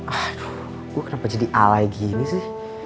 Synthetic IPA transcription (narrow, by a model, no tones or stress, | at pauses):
ʔat̪u̥h | ɡ̥uakənapad͡ʒadiʔalaiɡinisɪh